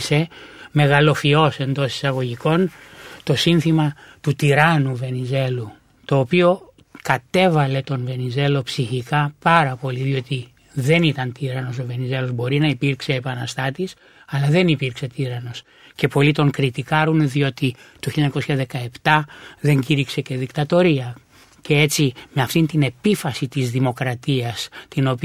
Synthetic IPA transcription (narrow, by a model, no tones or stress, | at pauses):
se̞me̞ɣɐlo̞fio̞se̞nd̪o̞si̥sɐɣo̞ʝiko̞nt̪o̞sinθimɐt̪ut̪iɾɐnuve̞nize̞lu | t̪o̞ːpio̞ | kɐt̪e̞vɐle̞t̪o̞nve̞nize̞lo̞psiçikɐpɐɾɐpo̞liðio̞t̪i | ðe̞nit̪ɐnt̪iɾɐno̞so̞ve̞nize̞lo̞zbo̞ɾinɐipiɾkse̞ːpɐnɐst̪ɐt̪is | ɐlɐðe̞nipiɾkse̞t̪iɾɐno̞s | ce̞po̞lit̪o̞ŋkɾit̪ikɐɾunðio̞t̪it̪oçiʎɐɲɐko̞sçɐðe̞kɐe̞pt̪ɐðe̞ɲɟiɾikse̞ce̞ðikt̪ɐt̪o̞ɾiɐ | cee̞t͡sime̞ɐft̪int̪ine̞pifɐsit̪izðimo̞kɾɐt̪iɐst̪ino̞p